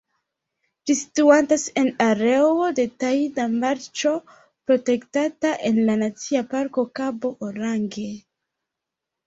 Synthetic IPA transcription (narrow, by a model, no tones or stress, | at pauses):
d͡ʒisi̥tuantase̞naɾewo̞de̞tajidamaɾt͡ʃo̞ | pɾo̞te̞ktataʔe̞nlanat͡siapaɾko̞kabo̞ʔoɾaŋɡe̞